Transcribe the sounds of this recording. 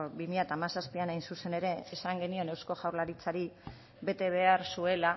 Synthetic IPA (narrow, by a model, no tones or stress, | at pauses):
bimiʎat̪amasaspianajnsuse̞ne̞ɾe̞ːsaŋɡe̞nio̞ne̞wsko̞ʝawɾlaɾit͡saɾi | be̞t̪e̞β̞e̞aɾsue̞la